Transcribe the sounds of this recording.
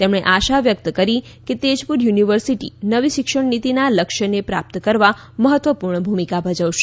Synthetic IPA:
t̪emɽeʔaʃaʋjək̚t̪əkəɾi | ket̪ed͡ʒpuɾjuniʋəɾsiʈḭnəʋiʃɪkʃəɽnit̪inaləkʃənepɾa̰p̚t̪əkəɾʋa | məɦət̪ʋəpuɾɳəbʱumikabʱəd͡ʒəʋʃe̥

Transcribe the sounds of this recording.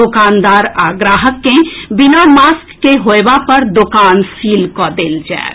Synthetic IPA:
okand̪aɾaɡɾaɦəkːẽbinamaskːeɦoebapəɾd̪okansilkɔd̪eld͡ʒa̰et̪

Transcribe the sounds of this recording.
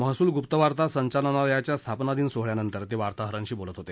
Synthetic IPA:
məɦsuːlɡupt̪əʋaɾt̪asəɲt͡ɕalənajat͡ɕjast̪ʰapnad̪iːnsoɦɭjanənt̪əɾt̪eʋaɾt̪aɦəɾãɲt͡ɕiːbolət̪ɦot̪e

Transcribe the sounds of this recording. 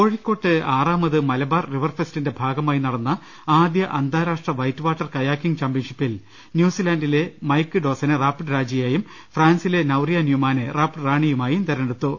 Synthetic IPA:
ko̞ːɻikːo̞ːʈːɨaːraːmɐðɨmɐlɐbaːrriʋɐrfestinde̞bʱaːɡɐmaːjinɐɽɐnːɐ | aːd̪jɐʔɐnd̪ʱaːɾaːʂʈrɐʋɐjtːɨʋaːʈːɐrkɐjaːkːiŋɡt͡ɕaːmbjɐnʂipːil | njuːsilaːndile̞mɐjkːɨɖo̞ːsɐnɨraːpːʈɾaːd͡ʑɐjeːjum | fraːnsile̞nɐwrijanjumaːnɨraːpʈɨraːɳijumaːjumt̪ɐɾɐneɽut̪ːu

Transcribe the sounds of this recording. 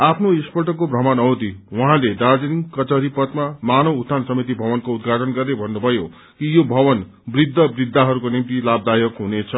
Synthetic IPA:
apʰnoespʌʈʌkːobrʌmʌnʌwd̪iwʌɦãled̪ad͡zʌniŋkʌt͡sʌɾipʌt̪mamanʌwut̪ʰansʌmit̪̬ibʱʌbʌnkoud̪ɡʱaʈʌnɡʌrnebʱʌnːubʱʌjo | kijobʱʌbʌn | brid̪ʱːʌbrid̪ʱːaɦʌɾukonimt̪ilab̚d̪ajʌkɦunet͡sʰʌ

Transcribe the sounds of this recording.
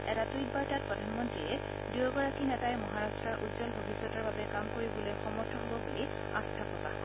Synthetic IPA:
ɛɾatujt̚baɹtat̚pɹɔdʱanmɔntɹiɛ | dujɔɡɔɹakinɛtajɛmɔɦaɹastɹaɹʔudzɔlbʱobʱisɔtaɹbabɛkamkoɹibɔlojxɔmɔɹtʰɔɦobɔbuli | astʰapɔta̰

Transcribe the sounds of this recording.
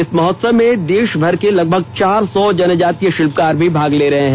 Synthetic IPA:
ɪsmɔɦɔt̪səʋːẽd̪eːʃbʱɐɾkelɐɡ̚bʱəɡt͡ʃaːɾsɔd͡ʒɐnəd͡ʒaːt̪ijəʃɪlpkaːɾbʱibʱaːɡleɾɐɦeɦɛ̃

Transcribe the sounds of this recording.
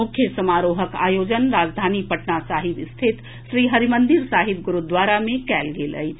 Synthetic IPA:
ʊkʰjəsəmaːɾoːɦəka̰ːjoːd͡ʒənɾaːd͡ʒd̪ʱaːnipəʈnasaːɦɪbɪst̪ʰɪt̪ | ʃɾiːɦəɾimə̃nd̪ɪɾsaːɦɪbɡʊɾud̪waːɾamẽkɛːlɡelə̰i

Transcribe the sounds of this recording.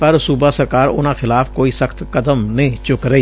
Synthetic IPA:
pɐɾsuːbasɐɾkaːɾʊ̰nãxɪlaːfʰkoːisəkʰt̪kɐd̪əmnĩt͡ʃʊkɾɐiː

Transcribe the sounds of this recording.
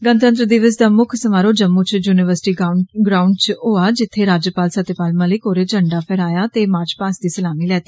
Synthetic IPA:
ɡənt̪ənt̪ɾəd̪iːʋəsd̪aːmʊkʰsəmaːɾoːd͡ʒəmːuːt͡ʃjuːnɪʋəɾsɪ̥ʈiːɡɾaːʊɳɖt͡ʃoːaːd͡ʒɪt̪ʰːeːɾaːd͡ʒəpaːlsət̪ːepaːlmãːlikoːɾeːt͡ʃəɳɖaːpʰɛːɾaːjaːt̪eːmaːɾt͡ʃpaːsd̪iːsəlaːmiːlɛːt̪iː

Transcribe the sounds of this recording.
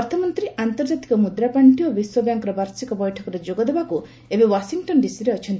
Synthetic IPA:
ɔɾt̪ʰɔmɔnt̪ɾiʔant̪ɔɾd͡ʒat̪i̥kɔmud̪ɾapaɳʈiobiswɔbjaŋkɔɾɔbaɾsikɔbɔjʈʰɔkɔɾed͡ʒoɡɔd̪ebaku | ebewasiŋʈɔnɖisiɾeɔt͡ʃʰɔnt̪i

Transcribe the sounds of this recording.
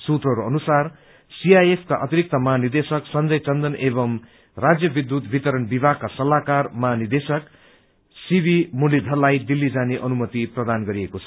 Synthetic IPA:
sut̪rʌɾoʌnusar | siajepʰkaʔʌt̪iɾik̚t̪ʌmʌɦanird̪esʌksʌnd͡zʌjt͡sʌnd̪ʌnebʌm | rad͡zjʌbid̪ut̪bʱit̪ʌɾʌnbibʱaɡ̚kːasʌlːakarmʌɦanird̪esʌk | sibʱimulːid̪ʱʌlajd̪ilːid͡zaneʔʌnumʌt̪iprʌd̪anɡʌɾiekot͡sʰʌ̥

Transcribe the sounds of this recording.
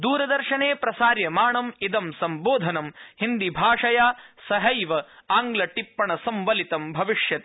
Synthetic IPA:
d̪uːɾɐd̪ɐɾʃɐneːpɾɐsaːɾjɐmaːɳɐmid̪ɐmsɐmboːd̪ʱɐnɐmhind̪ibʱaːʂɐjaːsɐɦɐjʋɐaːŋɡlɐʈipːɐɳɐsɐmʋɐlit̪ɐmbʱɐʋiʂjɐt̪e̥

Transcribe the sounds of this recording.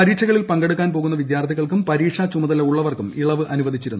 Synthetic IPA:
ɐɾiːʈʂɐɣɐɭilpɐŋɡeɽukːaːnpo̞ːɣunːɐʋid̪jaːrt̪ʰiɣɐɭkumpɐɾiːʈʂat͡ɕumɐðɐlɐuɭːɐʋɐrkumiɭɐʋɨʔɐnuʋɐd̪ʱit͡ɕːiɾunːu

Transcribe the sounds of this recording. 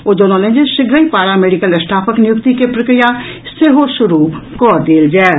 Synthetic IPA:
od͡ʒonɔlẽnd͡ʒəʃɪɡɾəipaːɾameːɖikəlɐsʈʰaːpʰəknɪjʊkt̪ikepɾɐkɾɪja | seɦoʃʊɾukɔːɾd̪eːld͡ʒae

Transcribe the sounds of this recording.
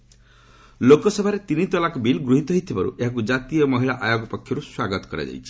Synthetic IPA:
lokɔsebʱaɾet̪init̪ɔlakɔbilɡɾuɦit̪ɔɦit̪ʰibaɾṵʔeɦak̬ud͡ʒat̪ijɔmɔɦiɭaʔajoɡɔpɔkʰjɔɾuswaɡɔt̪ɔ̥kɔɾa̰d͡ʒa̰jt͡ʃʰi̥

